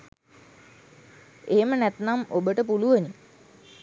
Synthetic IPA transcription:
eːmənæt̪namobəʈəpuluʋəni

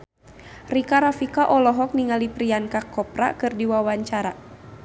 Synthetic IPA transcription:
rikaɾafikaʔɔlɔɦɔk̚niŋalipɾiankakɔpra̰kɨrdiwawaɲt͡ʃaɾa̰

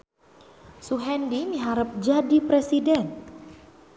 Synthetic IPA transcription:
suɦɛndimiɦaɾəp̚d͡ʒadipɾesidɛn

